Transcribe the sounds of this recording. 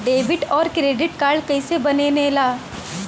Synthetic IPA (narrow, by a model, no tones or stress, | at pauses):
ɖeːʋɪʈɔːɾkɾeːɖɪʈkaːɾɖkɐisebɐneːneːlaː